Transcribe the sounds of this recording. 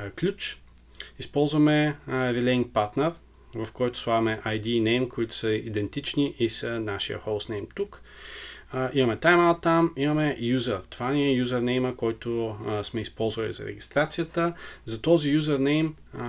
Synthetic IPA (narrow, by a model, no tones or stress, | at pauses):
klʲut͡ʃ | ispɔlˠzvɐmɛɾilɛiŋk̚paɾt̪nɛɾ | vɐfkɔjt̪ʊ̥svˠavɐmɛʔajd̪iːnɛjmkʰoit̪ʊ̥səid̪ɛnt̪it͡ʃniʔisənaʃijə̰xolˠsnɛjmt̪uk | imɐmɛt̪ajmalˠt̪amimɐmɛjuzəɾt̪vaniɛjuzəɾnɛjməkɔjt̪osmɛispɔlˠzvɐlḭzɐ̰ɾɛ̰ɡist̪ɾat̪sijət̪əzɐt̪ɔzijuzəɾnɛjm